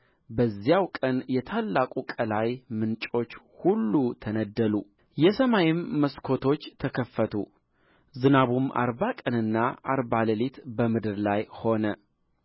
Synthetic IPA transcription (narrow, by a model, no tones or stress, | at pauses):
bəzːijawkʼənjɛt̪ʰalːakʼukʼəlajmɨnt͡ʃʼo̞t͡ʃː | hulːut̪ʰənəd̪ːəlu | jɛsəmajɪmːəskʰo̞t̪ʰo̞t͡ʃːt̪ʰəkʰəfːət̪ʰṵ | zɨnaβuma̰ɾβakʼənɨnːaʔaɾbaləlet̪bəmɨd̪ɨɾlajho̞nə